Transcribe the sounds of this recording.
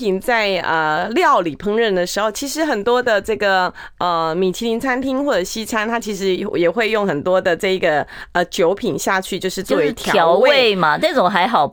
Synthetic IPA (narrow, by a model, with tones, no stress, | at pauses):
i˨˩nt͡sa˥˩˧ɪə˧ljɑ˥˨˩ʊli˨˩pʰɤ˥ŋɻə˥˩nd̪ə˩ʂɻ̩˧˥xo˥˩ʊt͡ɕʰi˧˥ʂɻ̩˧˥xə˨˩nt̪wɔ˥d̪ə˨ʈ͡ʂɤ˥˩ɡə˩ | ə˧mi˨˩t͡ɕʰi˧˥li˧˥nt͡sʰa˥nt̪ʰi˥ŋxwɔ˥˩ʈ͡ʂə˨˩ɕi˥t͡sʰa˥nt̪ʰa˥t͡ɕʰi˧˥ʂ̬ɻ̩˧˥jɛ˨˩xwe˥˧ɪjʊ˥˩ŋxə˨˩nt̪wɔ˥d̪ə˨ʈ͡ʂɤ˥˩i˧˥ɡə˨ə˧˩t͡ɕjo˧˥ʊpʰi˨˩nɕja˥˧t͡ɕʰy˥˧t͡ɕjo˥˧ʊʂɻ̩˥˧t͡swɔ˥˧˩we˧˥t̪ʰjʊwe˥we˥˩ɪma˨nə˥˩ʈ͡ʂʊ˨˩ŋxa˧˥ɪxɑ˨˩ʊ